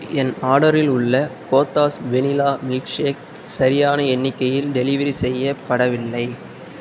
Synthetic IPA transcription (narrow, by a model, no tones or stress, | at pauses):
ɛnaːɽɐɾɪlʊɭːɐkoːt̪ːaːsʋɛnɪlaːmiːkʂeːk̚ | sɐɾɪjaːnɐɛnːɪkːɐjɪlɖɛlɪʋɐɾisɛjːɐpːɐɽɐʋɪlːɐɪ